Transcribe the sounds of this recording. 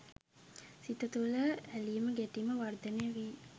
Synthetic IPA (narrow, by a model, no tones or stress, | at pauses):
sit̪ɐt̪uləælijməɡeʈiməʋɐrd̪ɐnejɐʋi